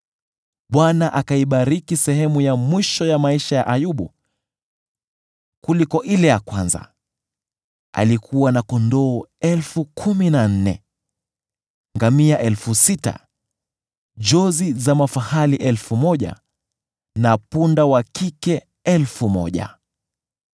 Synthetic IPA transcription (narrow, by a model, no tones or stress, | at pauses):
ɓwanaʔakaiɓaɾikisɛhɛmujamwiʃɔjamaiʃaja̰ʔajuɓṵ | kulikɔʔilɛjakwanza̰ | a̰likʰuwanakɔndɔːɛlfukʰuminan̩nɛ̰ | ŋɡamiaʔɛlfusita̰ | d͡ʒɔzizamafahaliʔɛlfumɔʄa̰ | napundawakikɛ | ɛlfumɔ̰ʄa̰